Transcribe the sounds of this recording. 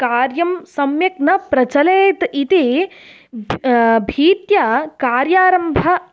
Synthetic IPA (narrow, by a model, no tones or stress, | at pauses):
kaːɾjɐmsɐmjɐknɐpɾɐt͡ʃɐleːt̪it̪i | bʱiːt̪jɐkaːɾjaːɾɐmbʱɐ